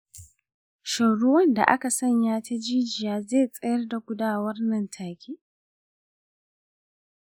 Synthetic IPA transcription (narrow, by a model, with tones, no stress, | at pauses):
ʃa˨ɽʊ˦wɐ˦nda̰˨ʔa̰˦ka˨sɐ˦ɲjaː˦ta˦d͡ʒiː˦d͡ʒɪ˨jaː˦zeː˦˨t͡sʼɐ˦jɐ˦rda˨ɡʷʊ˦daː˦˨wɐ˦rnɐ˨ntʰaː˨kʲʰiː˦